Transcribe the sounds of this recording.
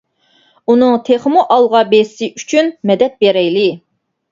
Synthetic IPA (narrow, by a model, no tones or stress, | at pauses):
unɨŋt̪ʰeχmuʔɑlˠʁɑbessɪʔyt͡ʃʰynmɛd̪ɛt̪̚beɾɛjlɪ